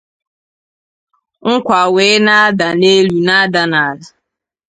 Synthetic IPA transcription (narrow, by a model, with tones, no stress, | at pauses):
ŋ̩˦kʷa˨we˨˦na˦a˦da˨ne˦lu˨na˦da˨na˨a˨za˨